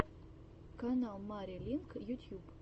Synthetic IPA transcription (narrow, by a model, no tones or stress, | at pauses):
kanalˠmaɾʲilʲiŋkjut̪ʲjub